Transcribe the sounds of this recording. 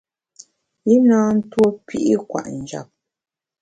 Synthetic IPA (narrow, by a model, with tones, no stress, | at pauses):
i˦naː˦n̩˦two˦pʰi˦ʔi˦kwa̰˨ʔn̩˨d͡ʒa̰˨p̚